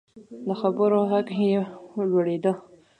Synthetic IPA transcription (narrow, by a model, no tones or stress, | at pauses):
d̪əxabəɾoɣaɡɦelwəɽed̪ə